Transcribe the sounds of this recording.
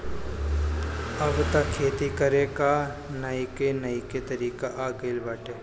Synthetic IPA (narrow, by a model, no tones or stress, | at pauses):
ɐʋt̪akʰeːt̪ikɐɾekanɐikenɐiket̪ɐɾiːkaʔaːɡɐilbaːʈeː